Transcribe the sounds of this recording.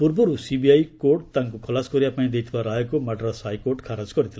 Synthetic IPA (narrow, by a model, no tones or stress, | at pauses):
purbʌɾusibiajkoʈ̚t̪ãŋkokʰʌlaskoɾijapanĩd̪ejt̪ʰbaɾaɦekomaʈrasajkoʈkʰaɾad͡zɡʌɾit̪ʰil